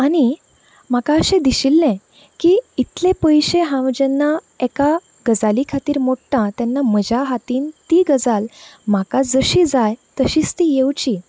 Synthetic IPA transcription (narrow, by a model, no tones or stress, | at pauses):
añi | m̤akaəɕẽd̪iɕilːẽ | kiːit̪lẽpəjɕeɦãʋd͡ʑenːa | eka | ɡəd͡zalikʰat̪iːɾmoʈʈãt̪janːam̤əd͡ʑʱaɦat̪iːnt̪iɡəd͡zalm̤akad͡zəɕid͡zajt̪əɕiːt͡st̪ijewt͡ɕi